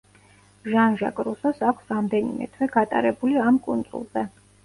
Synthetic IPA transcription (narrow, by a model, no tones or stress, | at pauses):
ʒanʒakʼɾusɔsakʷʰsɾamd̪ɛnḭmɛ̰t̪ʰwɛɡat̪ʼa̰ɾɛbuliamkʼund̪zʼṵlˠzɛ